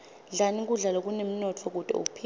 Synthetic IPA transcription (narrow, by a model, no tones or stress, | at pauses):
ɮanik̬ʼuɮalok̬uneminɔtʰɔk̬ud̥ʱʼɔ̰o̰k̬u̥pʰi